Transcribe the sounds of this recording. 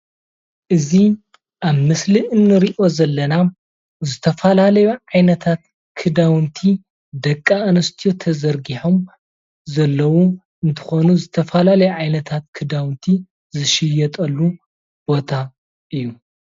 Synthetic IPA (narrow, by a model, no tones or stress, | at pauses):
ʔɨzi | ʔaβmɨsliʔɨnːɨɾiʔo̞zɐlːɐna | zɨt̪ʰɐfɐlalɐjuʕajnɐt̪ʰat̪̚ | kʰɨd̪awnt̪ʰi | d̪ɐkʼːanɐst̪ʰijo̞t̪ʰɐzɐɾɡiħo̞m | zɐlːɐwu | ʔɨnt̪ʰɨ̥xo̞nuzɨt̪ʰɐfɐlalɐjuʕajnɐt̪ʰat̪̚kʰɨd̪awnt̪ʰi | zɨʃɪjɐt̪ʼɐlːu | b̥o̞t̪ʰa | ʔɨjːu